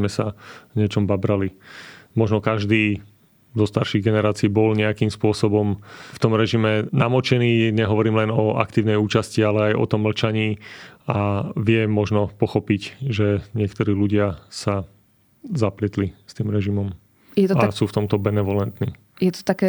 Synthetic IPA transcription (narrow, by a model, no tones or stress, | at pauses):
mɛsaɲɪɛt͡ʃɔmbabɾalimɔʒnɔkaʒd̪iː | d̪ɔst̪aɾʃiːɣɡɛnɛɾaːt͡siːbɔlɲɛakiːmspʊɔsɔbɔmft̪ɔmɾɛʒimɛnamɔt͡ʃɛniːɲɛɦɔʋɔɾiːmlɛnɔʔa̰kt̪iːʊnɛjuːt͡ʃascialɛajɔ̰t̪ɔmːl̩t͡ʃaɲiːaʋɪɛmɔʒnɔpɔxɔpicʒɛɲɪɛkt̪ɔɾiːluɟɪasa | zaplɪɛt̪list̪iːmɾɛʒimɔm | jɛt̪asuːft̪ɔmt̪ɔbɛnɛʋɔlɛnt̪niː | jɛt̪ɔ̥t̪akɛ